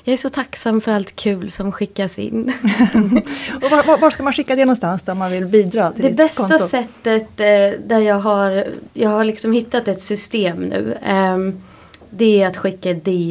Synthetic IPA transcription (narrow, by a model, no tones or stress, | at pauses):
jɑːæʂɔt̪ʰaksamːfœɾalt̪kʰʉ̟ːlsɔmɧɪkːasɪ̰nː | ɔvavavaːʂkamanɧɪkːad̪ɛnɔnst̪ansd̪amanvɪlbiːd̪ɾɑːt̪ʰɪld̪ɛbɛst̪assɛt̪ːət̪d̪æɾjɑːɡɦaɾjɑːɡhaɾɭɪksɔmhɪt̪ːat̪ɛt̪sʏst̪eːmnʉ̟̰ː | d̪ɛæɾat̪ɧɪkːad̪ɪ